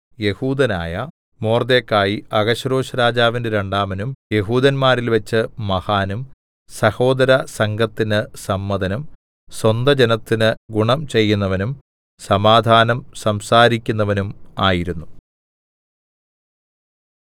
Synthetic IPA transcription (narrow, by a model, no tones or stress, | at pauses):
je̞huːd̪ɐna̰ːjɐ | mo̞ːrd̪eːkːaːjiɐɡɐɕɐɾo̞ːɕɐɾaːd͡ʑaːʋindeɾe̞ɳɖaːmɐnumje̞ɦuːd̪ɐnmaːɾilʋɐt͡ɕːɨmɐhaːnum | sɐho̞ːd̪ɐɾɐsɐŋɡɐt̪ːinɨsɐmːɐd̪ɐnum | swɐnd̪ɐd͡ʑenɐt̪ːinɨɡuɳɐmt͡ɕe̞jːunːɐʋɐnum | sɐmaːd̪ʱaːnɐmsɐmsaːɾikʲːunːɐʋɐnumaːjiɾunːu